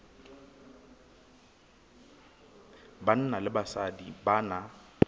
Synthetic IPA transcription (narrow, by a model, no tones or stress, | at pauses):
ban̩nalɪbasadibana